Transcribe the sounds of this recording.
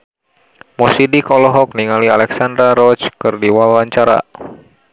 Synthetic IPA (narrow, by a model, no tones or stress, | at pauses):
mɔsidikɔlɔɦɔk̚niŋalialɛksandɾaɾɔt͡ʃkɨrdiwawaɲt͡ʃaɾa̰